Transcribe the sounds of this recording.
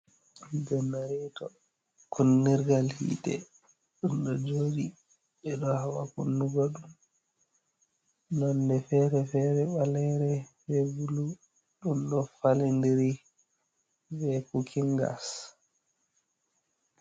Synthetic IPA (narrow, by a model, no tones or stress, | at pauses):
d͡ʒɛnːaɾitɔ | kʰunːiɾɡalhḭːtɛ̰ | ɗunɗɔd͡ʒoːdi | ɓɛɗɔhawakunːuɡɔɗum | nɔndɛfɛɾɛfɛɾɛɓalɛɾɛfɛvulu | ɗunɗɔfalindiɾi | vɛkukʰiŋɡa̰s